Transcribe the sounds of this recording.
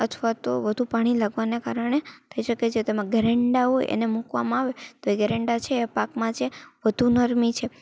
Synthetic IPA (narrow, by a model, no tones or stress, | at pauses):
ət̪ʰʋat̪oʋəd̪ʱupaɽ̃ilaɡʋanekaɾəɽ̃et̪ʰəiʃəket͡ʃʰet̪oemãɡɛɾeɳɖaɦoj̰ʔḛnemukʋa̰mãaʋet̪oeɡɛɾeɳɖat͡ʃʰeːapakmãd͡ʒeʋəd̪ʱunəɾmit͡ʃʰe